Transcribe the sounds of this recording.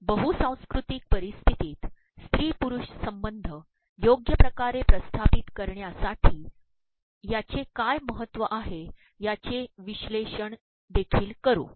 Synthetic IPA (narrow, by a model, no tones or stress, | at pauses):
bəɦusãw̃skɾut̪ik̚pəɾist̪ʰit̪iːt̪ | st̪ɾiːpuɾuɕsəmbənd̪ʱə | joɡjəpɾəkaɾepɾəst̪ʰapit̪kəɾɳjasaʈʰiː | jat͡sekajməɦət̪ːʋəʔaɦe | jat͡seʋiɕleɕəɳ | d̪ekʰiːlkəɾṵ